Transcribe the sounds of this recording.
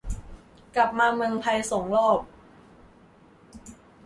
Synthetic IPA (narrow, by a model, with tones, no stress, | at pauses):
kla˨˩p̚maː˧mɤ˧ŋpʰa˧jso˨˩˦ŋlɔː˥˩p̚